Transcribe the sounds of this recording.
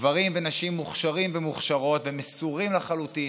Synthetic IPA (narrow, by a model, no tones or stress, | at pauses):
vaʁimvenaʃimːuχʃaʁimvemuχʃaʁo̞t̪vemesuʁimlaχalut̪i